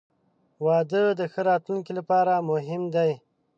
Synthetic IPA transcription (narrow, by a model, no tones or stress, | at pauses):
wɑːd̪əd̪əxəɾɑːt̪lunkilapɑːɾamʊɦɪmd̪aj